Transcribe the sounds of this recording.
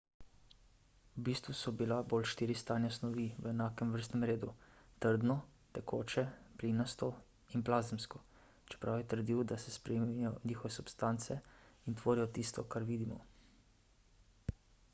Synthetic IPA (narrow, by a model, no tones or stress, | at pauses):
wbiːst̪ʋusɔbilaboːlʃt̪iːɾist̪aːnjasnɔʋiːʋəɛnaːkɛmʋəɾst̪nɛmɾeːd̪ut̪əɾd̪nɔt̪ɛkʰoːt͡ʃɛpliːnɔst̪ɔ | inplaːzɛmskɔ | t͡ʃɛ̥pɾawjɛt̪əɾd̪iwd̪asɛspɾɛmijɔniːxɔʋɛsupst̪aːnt̪sɛint̪ʋoːɾijɔt̪iːst̪ɔkaɾʋiːd̪imɔ̰